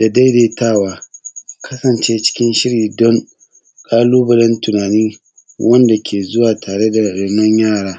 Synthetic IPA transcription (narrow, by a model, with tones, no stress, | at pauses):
d̥a˨da˦jdeː˨tʰaː˦˨waː˦kɐ˦sɐ˨nt͡ʃeː˦t͡ʃɪ̥˦kʲɪ˦nʃɪ˦ɽiː˨dɔ˦ŋ | kʼaː˦luː˦bɐ˨lɐ˦ntʊ˨naː˨niː˦ | wʔɐ˦nda˨kʲʰeː˨zʊ˦waː˨tʰaː˨ɽe˦da˨ɽɪ˨nɔ˦ɲjaː˦˨ɽaː˦